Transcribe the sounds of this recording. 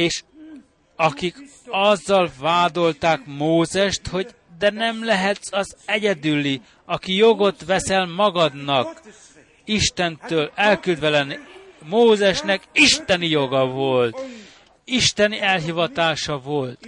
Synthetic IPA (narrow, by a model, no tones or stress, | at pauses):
eːʃ | ɒkikɒzːɒlvaːd̪o̞lt̪aːkmoːzɛʃt̪ho̞ɟ | d̪ɛnɛmlɛɦɛt̪sɒzɛɟɛd̪ylːi | ɒkijo̞ɡo̞t̪ʋɛsɛlmɒɡɒd̪nɒk | iʃt̪ɛnt̪øːlɛlkyld̪vɛlɛnmoːzɛʃnɛkiʃt̪ɛnijo̞ɡɒvo̞lt̪ | iʃt̪ɛniɛlɦivɒt̪aːʃɒvo̞lt̪